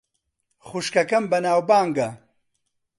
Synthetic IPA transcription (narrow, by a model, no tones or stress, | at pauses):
χuʃkɐkɐmbɐnaːwbaːŋɡɐ